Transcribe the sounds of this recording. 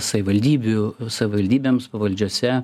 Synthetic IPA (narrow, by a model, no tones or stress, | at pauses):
sɐʋʲɪʋɐlʲd̪ʲiːbʲʊsɐʋʲɪʋɐlʲd̪ʲiːbʲeːmspɐʋɐlʲd͡ʒʲuɔsʲɛ